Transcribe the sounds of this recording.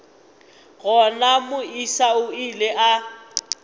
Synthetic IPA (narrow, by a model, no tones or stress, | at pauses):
ɣɔnamʊisaʊileʔa